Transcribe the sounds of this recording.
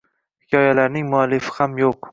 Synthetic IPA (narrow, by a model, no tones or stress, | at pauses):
hɪkʲʰɒjalaɾnɪŋmʊalːɪfɪ̥hamjoq